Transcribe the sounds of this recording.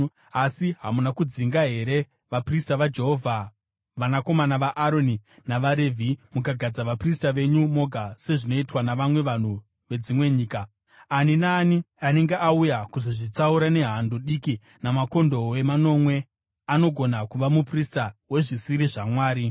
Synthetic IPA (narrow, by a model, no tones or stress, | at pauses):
asiɦamunakud͡ziŋɡaɦe̞ɾe̞ | ʋapristaʋad͡ʒe̞ɦo̞vʱa | ʋanako̞manaʋaʔːɾo̞ninaʋaɾevʱimukaɡʱad͡zaʋapristaʋe̞ɲumo̞ɡʱase̞ʐino̞itwanaʋamwe̞ʋan̤u | ʋe̞d͡zimwe̞ɲiːka | aninaːni | ane̞ŋɡe̞ʔaujakuzoʐit͡sauɾane̞ɦandoɗiki | namako̞ndo̞we̞mano̞mwe̞ | ano̞ɡʱo̞nakuʋamupristawe̞ʐisiɾiʐamwaːɾi